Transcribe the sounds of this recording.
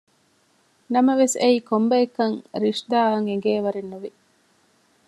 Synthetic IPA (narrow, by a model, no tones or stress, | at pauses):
nɐmɐʋeseiːkombɐekːɐŋɾiʂd̪aːɐŋeŋɡeːʋɐɾenːuʋi